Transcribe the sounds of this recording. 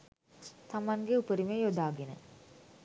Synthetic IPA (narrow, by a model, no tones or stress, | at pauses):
t̪ɐmɐnɡeupəɾimejod̪aːɡenə̰